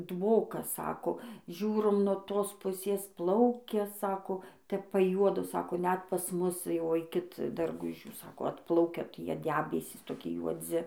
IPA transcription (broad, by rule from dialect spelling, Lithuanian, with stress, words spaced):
ˈdʋoːkɐs ˈsɑːkoː ˈʒʲuːroːm nuɔ ˈtoːs ˈpʊsʲeːs ˈplˠɐʊkʲɛ ˈsɑːkoː ˈtʲɛp pɐˈjuɔdoː ˈsɑːkoː ˈnʲɛt pɐs ˈmʊs jɛʊ ˈɐɪkʲɪt dɐrˈɡʊʒʲuː ˈsɑːkoː ˈɑːtplˠɐʊkʲɛ ˈtʲiɛ ˈdʲæːbʲɛsʲiːs toːˈkʲɪ juɔˈd͡zʲɪ